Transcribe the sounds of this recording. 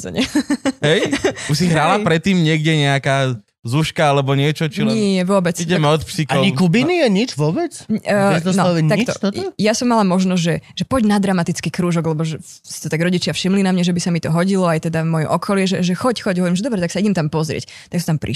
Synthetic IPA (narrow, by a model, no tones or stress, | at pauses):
zɛ̰ɲɛɦɛjusiɦɾalapɾɛt̪ːiːmɲɪɛɡɟɛɲɛakaː | zuʃkaalɛbɔɲɪɛt͡ʃɔt͡ʃilɲɪɛɛʋʊɔbɛt͡siɟɛmɛɔt̪psikaɔɲikubinijɛɲit͡ʃʋʊɔbɛt͡sːzɔsnɔaikt̪t̪ɔt̪ɔjasɔmːalamɔʒnɔzʲʒɛʒɛpɔɟnad̪ɾamat̪it͡skikɾuːʒɔɡlɛbɔʒɛsi̥t̪ɔt̪aɡɾɔɟit͡ʃɪafʃimlinamɲɛʒɛbisamit̪ɔɦɔɟilɔajt̪ɛd̪amɔjɔ̰ʔɔkʰɔlɪɛʒɛʒɛxɔcxɔɟɦɔʋɔɾimʒɛd̪ɔbɾɛt̪aksaiɟɛmt̪ampɔzɾɪɛ̰c | t̪aksɔt̪ampɾʔḭ